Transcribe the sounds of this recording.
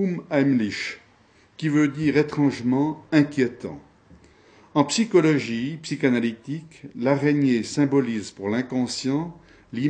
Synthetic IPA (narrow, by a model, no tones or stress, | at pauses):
umajmliʃ | kʲivød̪iːʁet̪χɑ̃ʒmɑ̃ɛ̃kʲjet̪ɑ̰̃ | ɑ̃psikɔlɔʒipsikanalit̪iklaʁeɲesɛ̃bɔlizpuʁlɛ̃kɔ̃sjɑ̃ | li